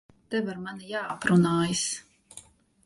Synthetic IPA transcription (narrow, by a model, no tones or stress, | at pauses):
t̪ɛvaɾmanijaːapɾunaːjis